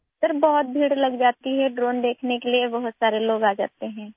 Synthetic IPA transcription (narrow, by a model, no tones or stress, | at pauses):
səɾbɔɦʊt̪̚bʱiːɽlɐɡd͡ʒaːt̪iɦɛɖɾoːnd̪eːkʰnekeliebɐɦʊt̪saːɾeloːɡaːd͡ʒa̰ːt̪eɦɛ̃ː